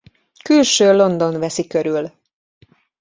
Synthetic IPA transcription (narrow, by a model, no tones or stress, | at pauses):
kylʃøːlo̞nd̪o̞nvɛsikøɾyl